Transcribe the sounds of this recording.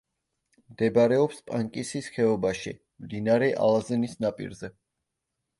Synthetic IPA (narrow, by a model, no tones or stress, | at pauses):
md̪ɛbaɾɛɔpspʼaŋkʼisisχɛɔbaʃḭ | md̪inaɾɛʔa̰lˠazɛnisnapʼḭɾzɛ